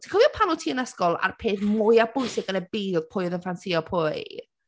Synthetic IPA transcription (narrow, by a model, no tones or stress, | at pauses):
tʰikʰɔviɔpʰanʊtʰiːənɛskɔlˠa̰rpʰeːθmʊjab̥ʊjsɪɡənəbiːðpʰʊɨðənfansiɔpʰʊːɨ